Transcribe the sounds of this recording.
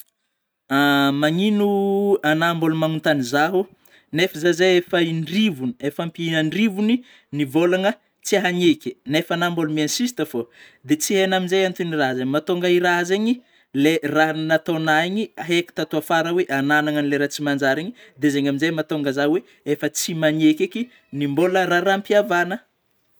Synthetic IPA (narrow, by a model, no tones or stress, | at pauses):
amaŋinuanambolumanunt̪anizaɦu | nefəzazeefaiɳrivuniefampiinəɳrivuni | nivolaŋə | t͡siaɦaɲekʲi̥nefanambolumiansisi̥t̪əfo | d̪et͡siɦenaminzejant̪uniraɦzeɲimat̪oŋɡəiraɦzeɲi | lerannat̪onaiɲiaɦeki̥t̪at̪uafaɾəweʔananaŋənileɾat͡simand͡ʒaɾeɲid̪ezeɲaminzejmat̪oŋɡəzaɦwe | efət͡simaɲekʲeki | nimboləraɾampiavanə